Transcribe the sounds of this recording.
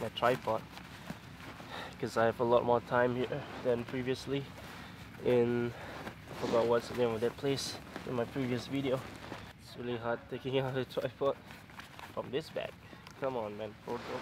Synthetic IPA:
maɪtʰɹaɪpʰɔt̚ | kʰɔsaɪhɛvəlɔt̚mɔtʰãɪ̃mhiɹdɛ̃npʰɹiviəsli | ʔɛ̃n | aɪfəɡɔt̚wɔtsəlẽmɔdɛt̚pʰlesɪ̰̃nmajpʰɹ̥iviəsviɾioɪtsɹiliɦad̚tʰːekɪ̃ŋaʊt̚ətʰɹ̥aɪpʰɔt̚ | fɹɔ̃mdɪsbɛ̰k̚kʰʌ̃mə̃nmɛ̃nfɹoto

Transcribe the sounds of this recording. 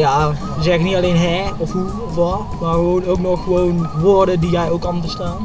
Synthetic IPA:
ja | zɛxɪknitaleːnɦɛɔfhu | ɔfʋɔ | marxəʋoːnoːknɔxxəʋoːnʋordədijɛjoːkɔmtəstaːn

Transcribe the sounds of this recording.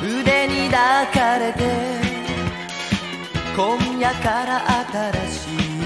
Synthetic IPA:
ɯd̪e̞ɲ̟id̪akaɾe̞t̪e̞ | kõɲ̃jakaɾaʔat̪aɾaɕiː

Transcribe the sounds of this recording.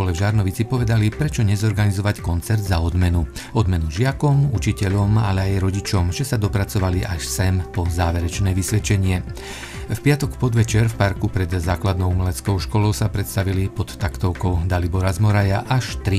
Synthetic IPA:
ɔlɛvʒaɾnɔʋit͡sipɔʋɛd̪alipɾɛt͡ʃɔɲɛzɔɾɡanizɔʋackɔnt͡sɛɾd̪zaɔd̪mɛnu | ɔd̪mɛnuʒɪakɔmut͡ʃicɛʎɔmalɛajɾɔɟit͡ʃɔmʒɛsad̪ɔpɾat͡sɔʋaliʔaʃsɛmpɔzaːʋɛɾɛt͡ʃnɛːʋisʋɛt͡ʃɛɲɪɛ | fpɪat̪ɔkpɔd̪ʋɛt͡ʃɛɾfpaɾkupɾɛd̪zaːklad̪nɔʊumɛlɛtt͡skɔʊʃkɔlɔʊsapɾɛt̪st̪aʋilipɔt̪ːakt̪ɔʊkɔʊd̪alibɔɾazmɔɾajaʔaʃt̪ɾi

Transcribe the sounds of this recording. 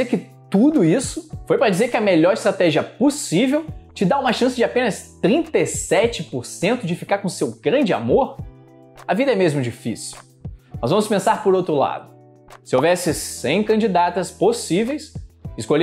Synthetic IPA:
ekɪ | t̪ud̪ʊisʊfojpɾɐd͡ʒizeɾkɪɐmeʎɔɾɪst̪ɾat̪ɛʒiɐposivewt͡ʃɪd̪aũmɐʃɐ̃sɪd͡ʒɪapẽnɐst̪ɾĩnt̪esɛt͡ʃɪpoɾsẽnt̪ʊd͡ʒɪfikaɾkõsewɡɾɐ̃nd͡ʒɪa̰moɾ | ɐvid̪ɐɛmezmʊd͡ʒifḭsiw | nɔzvɐ̃mʊspẽsaɾpoɾowt̪ɾʊla̰d̪ʊ | sɪowvɛsɪsẽj̃kɐ̃d͡ʒid̪at̪ɐsposivejsɪskoʎ

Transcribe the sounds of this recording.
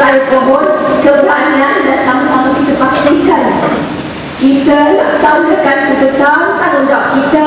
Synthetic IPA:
aɾt̪əborkəbɾanãndansaməsamakit̪əpast̪ɪŋkan | kit̪əlak̚sandəkankət̪ət̪awat̪ad͡ʒap̚kit̪ə

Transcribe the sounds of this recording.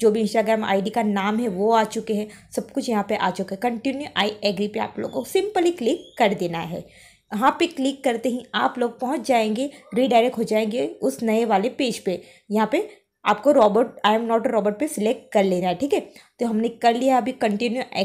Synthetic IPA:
d͡ʒoːbʱiɪ̃nsʈaːɡɾɛːma̰ːɪɖikanaːmɦɛʋoaːt͡ʃʊkeɦɛ̃sɐbkʊt͡ʃʰjɐɦãpeʔaːt͡ʃʊkeɦɛkɐ̃ɳʈinjuʔaːiʔɛːɡɾipea̰ːplo̰ːɡsɪ̃mpəliklɪkːɐɾd̪eːnaɦɛ̰ː | ʋɐɦãpeklɪkːɐɾt̪eɦĩa̰ːploːɡ̚pɐɦʊ̃t͡ʃd͡ʒaːẽːŋɡeɾiːɖaːɪɾek̚ʈɦod͡ʒaːẽːŋɡeʊsnɐeʋaːlepeːd͡ʒpe | jɐɦãpe | a̰ːpkoɾɔːbəʈaːɛmnɔːʈɾɔːbəɾʈ̚pesɪlek̚ʈ̚kɐɾleːnaɦɛʈʰiːkɦɛːt̪oɦɐmnekɐɾlijɦaɐbʱikɐ̃ɳʈɪnjuʔɛ

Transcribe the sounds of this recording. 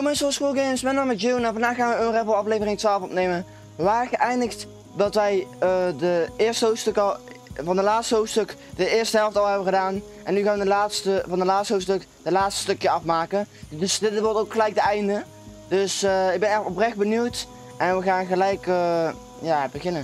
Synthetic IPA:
omɪnsəlˠskulˠɡemsmɛnəmətjunɛnvɑndaːχχaːnʋəənrɛvəlˠɑflejvərɪŋtʋaːlˠfɔpnejmə | əʋaːɹɣəʔɛjndəxt | dɑtʋɛjədəɪːɹstəɦowfstøklˠ | vɑndəlaːtstəɦowftstɵk | d̥əɪːɹstəɦɛlˠftɑlˠɦɛbəɣədaːn | ʔɛnːyɣaːnʋədəlaːtstəvɑndəlaːtstɦofstɵk | dəlaːtstə̥stɵkjəɑfmaːkəndsdɪtʋɔɹtowkχəlɛjk̚dəɛjndə | dɵsɪɡ̚bɛnɛɔprɛχd̚bənywt | ʔɛnʋəɣaːnɣəlɛjkə | jaːbəɣɪnə

